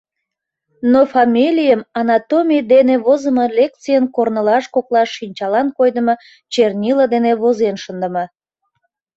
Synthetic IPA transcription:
nofɑmʲilʲijəmɑnɑt̪omʲijd̪eneβozəməlek̚t̪t͡sijənkornəlɑʃkoklɑʃːinʲt͡ɕɑlɑnkojd̪əmə | t͡ɕernʲiləd̪eneβozenʃənd̪əmə

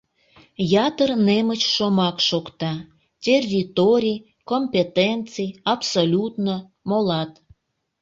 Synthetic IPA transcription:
jɑt̪ərnemət͡ɕʃomɑkʃokt̪ɑ | tʲerʲːit̪oɾʲij | komʲpʲet̪ent͡sɨjɑpsolʲut̪no | molɑt̪

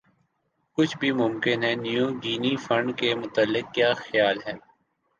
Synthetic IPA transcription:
kʊt͡ʃʰbʱimʊ̃mkɪnɦɛːnijũːd͡ʒiːnifɐ̃ɳɖkemʊt̪əlːɪk̚kːjaːxjaːlɦɛː

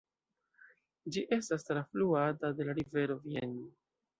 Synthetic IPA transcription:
d͡ʒiʔe̞stastɾafluatade̞laɾive̞ɾo̞vieno

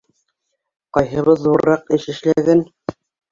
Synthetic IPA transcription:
qɑjɦɤ̆βɤðːuɾɾɑqɘ̆ʃɘ̆ʃlæɡæn

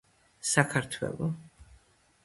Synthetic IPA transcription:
sakʰaɾt̪ʰwɛ̰lˠɔ

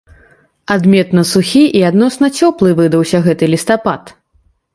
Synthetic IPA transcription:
ad̪mʲɛt̪nɐsuxʲiʔiad̪nɔsnɐt͡sʲɔplˠɨvɨd̪ɐwsʲɐɣɛt̪ɨlʲist̪apat̪

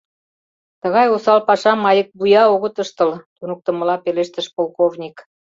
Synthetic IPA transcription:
t̪ə̆ɣɑjosɑlpɑʃɑmɑjək̚bujɑoɣət̪əʃt̪ə̆lt̪unuk̚t̪ə̆mə̆lɑpeleʃt̪ə̆ʃpolˠkovnʲik

